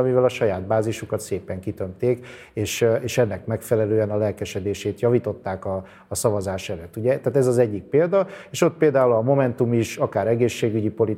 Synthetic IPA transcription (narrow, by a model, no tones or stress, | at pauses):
ɒmivɛlɒʃɒjaːd̪̚baːziʃukɒt̪seːpɛŋkit̪ø̞mt̪eːk | eːʃeːʃɛnːɛkmɛkfɛlɛløːɛnɒlɛlkɛʃɛd̪eːʃeːt̪jɒvit̪o̞t̪ːaːkɒː | sɒvɒzaːʃɛløt̪ːuɟɛt̪aːt̪ɛzɒzɛɟːik̚peːld̪ɒeːʃo̞t̪̚peːld̪aːulɒmo̞mɛnt̪umiʃɒkaːɾɛɡeːʃːeːɡyɟipo̞li